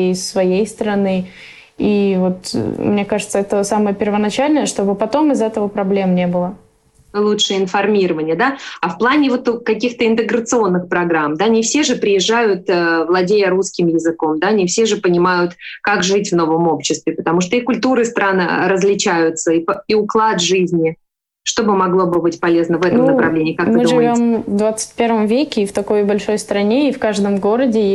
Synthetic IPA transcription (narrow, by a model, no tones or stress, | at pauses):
ɪsːvɐjejst̪əɾɐnɨ | ivo̞t̪mnʲe̞kaʐɨt̪səɛt̪əsaməjəpʲɪrvənɐt͡ɕælʲnəjəʂt̪o̞bɨpɐt̪o̞mɪzɛt̪əvəpɾɐblʲe̞mnʲe̞bɨlˠə | lˠutʂɨəɪnfɐrmʲiɾəvənʲɪjəd̪aɐfplˠanʲɪvo̞t̪ukɐk̬ʲixt̪əɪnt̪ɨɡɾət̪sɨo̞nːɨxpɾɐɡɾamd̪anʲɪfsʲe̞ʐɨpɾʲɪjɪʐːajʊt̪əvlˠɐdʲejəɾuskʲɪmjɪzɨko̞md̪anʲɪfsʲe̞ʐɨpənʲɪmajʊt̪kakʐɨtʲvno̞vəmo̞pɕːɪst̪vʲɪpə̥t̪ɐmuʂt̪oikʊlʲt̪uɾɨst̪ɾan̰ɾəzlʲɪt͡ɕæjʊt̪səipiʊklˠat̪ʐɨzʲnʲɪ | ʂt̪o̞bɨmɐɡlˠo̞bɨbɨtʲpɐlʲeznəvɛt̪nəmnəpɾɐvlʲenʲɪːkakmɨɨvʲo̞mvd̪vat̪sɨ̥t̚ʲpʲe̞ɾvəmvʲekʲɪːft̪ɐko̞jbɐlʲʂo̞jst̪ɾɐnʲeifkaʐd̪əmɡo̞ɾədʲɪ